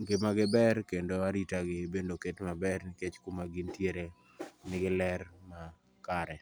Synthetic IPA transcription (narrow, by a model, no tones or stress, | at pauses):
ɡɪmaɡɪbɛrkendoaɾitaɡɪbendoketmabɛrnɪket͡ʃkumaɡintjeɾe | nɪɡɪlɛrma | kaɾɛ